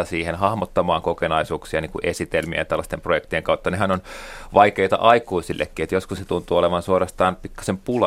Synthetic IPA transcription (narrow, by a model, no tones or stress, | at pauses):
ɑsiːhenhɑhmot̪ːɑmɑːŋkokenɑisuːksiɑniːŋkuʔesit̪elmiæ̰jɑt̪ælːɑst̪emprojekt̪ijeŋkɑut̪ːɑneɦænonʋɑikeit̪ɑ̰ʔɑikuisilːʔḛkːiet̪joskuset̪unt̪uːoleʋɑnsuorɑst̪ɑːnpikːɑ̥sempulɑ